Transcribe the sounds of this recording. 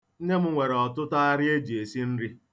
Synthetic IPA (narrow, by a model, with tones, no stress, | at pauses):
n̩˦ne˦m̩˦ŋʷe˨ɾɔ˨tʊ˦ta˦a˦ɾɪ˦e˦d͡ʒi˨e˨si˦n̩˦ɾi˦